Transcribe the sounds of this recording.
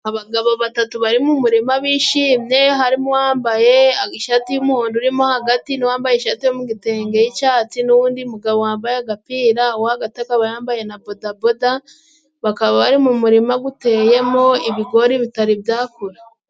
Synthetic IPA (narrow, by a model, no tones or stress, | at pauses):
aβaɡaβo̞βatatuβaɾimumuɾimaβiːʃiːmɲe̞ɦaɾimowaːmbaje̞aiʃatijumuhuːnduɾimo̞haɡatiniwaːmbajeʃatijomuɡite̞ːŋɡe̞jit͡ʃaːt͡sinuwuːndiumuɡaβowaːmbajeaɡapiːɾawaaɡatakaβajaːmbaje̞nabo̞daboda | βakaβaβaɾimumuɾimaɡute̞ːje̞mo̞iβiɡo̞ɾiβitaɾibjaːkuɾa